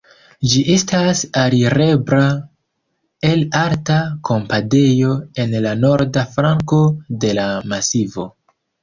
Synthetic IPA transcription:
d͡ʒiʔestasaɾiɾe̞bɾa | e̞laɾtakʰo̞mpade̞jo̞e̞nlano̞ɾdafɾaŋko̞de̞lamasivo̞

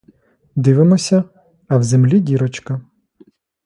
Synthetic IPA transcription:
d̪ɪʋɪmɔsʲɐ | ɐwzemlʲidʲiɾɔt͡ʃkɐ

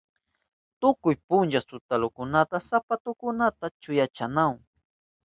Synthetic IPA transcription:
t̪ʊkʊjpʊnʒasʊt̪alʊkʊnat̪asapat̪ʊkʊnat̪at͡ʃʊjat͡ʃanaw

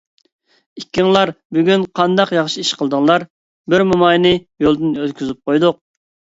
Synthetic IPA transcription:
ikʲːiŋlˠɑɾbyɡʲynqʰɑnd̪ɑqjɑχʃiiʃqʰəlˠd̪ɨŋlˠɑɾ | bɪɾmumɑjnɨjolˠd̪ɨnølkʲʰyzyp̚qojd̪ʊq̚

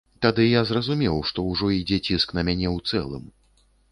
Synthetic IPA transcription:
t̪ad̪ɨjazrɐzumʲɛwʂt̪ɔwʐɔid͡zʲɛt͡sʲisknɐmʲanʲɛwt̪sɛ̰lˠɨ̰m

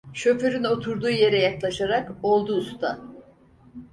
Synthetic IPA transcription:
ʃøføɾyno̞t̪ʰuɾd̪uːje̞ɾɛjaklˠaʃaɾako̞lˠd̪uːst̪ʰa̰

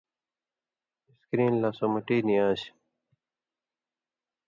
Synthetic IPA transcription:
ɪskɾiːnlaːsoːmɐʈiːniaːɕ

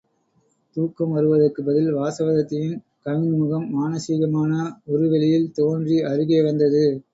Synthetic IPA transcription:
t̪uːkːɐmʋɐɾɯʋɐðɐrkɯbɐðɪlʋaːsɐʋɐðɐt̪ːɪjɯn | kɐɳnmɯɣɐmːaːnɐsiːɣɐmaːnɐɔɾɯʋɛlɪjɪlt̪oːndriʔɐrɯɣeːʋɐnd̪ɐðɯ

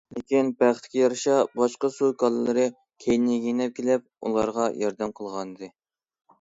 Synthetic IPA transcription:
lekʲinbæχt̪ʰɪ̥kʲijɑɾʃɑbɑʃqɑsukʰɑlˠɨlˠɨɾɨ | kʲʰejnɪɡʲenɛp̚kʲʰelɛp̚ṵlˠɑɾʁɑjɑɾd̪ɛmqʰəlˠʁɑnɨd̪ɨ

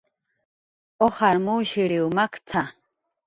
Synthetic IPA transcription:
ɔχaɾmuwʃiɾiwmakʰt͡sʰa

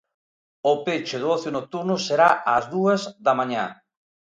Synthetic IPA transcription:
ʊpet͡ʃeðɔθjonok̚t̪uɾnʊseɾaʔazðuɐzdamãɲa̰

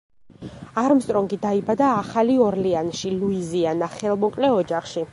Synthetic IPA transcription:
aɾmst̪ʼɾɔŋɡid̪aibad̪aːχaliɔɾlianʃiluizianaχɛlˠmɔkʼlɛɔd͡ʒaχʃi

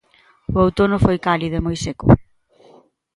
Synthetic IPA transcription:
ʊowt̪onʊfojkaliðoemojsekʊ̰

